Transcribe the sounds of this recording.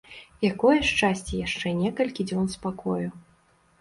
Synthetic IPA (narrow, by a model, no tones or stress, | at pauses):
jakɔjɛʂt͡ʂasʲt͡sʲɛjaʂt͡ʂɛnʲɛkɐlʲkʲid͡zʲɔnspakɔju